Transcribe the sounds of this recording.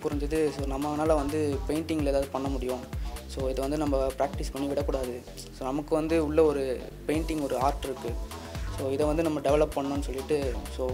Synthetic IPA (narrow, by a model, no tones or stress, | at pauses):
kʊɾɐɲd͡ʒɯðɯsoːɾnɐmːɐnaːlɐʋɐnd̪ɯpeːɪɳʈɪŋɡɐleːðaːʋðɯpɐɳːɐmʊɽɪjõsoːɪðɐʋɐnd̪ɯnɐmːɐpɾaːk̚ʈɪspɐɳːiʋɪɽɐkːʊɽaːðɯ | soːnɐmɐkːɯʋɐnd̪ɯʊɭːɐɔɾɯ | peɪɳʈɪŋɡɔɾɯaːɾʈɪɾɯkːɯ | soːɪðɐʋɐnd̪ɯnɐmːɐɖɛʋɛɭɐpːɐɳːõːnːɯsɔlːɪʈːɯsoː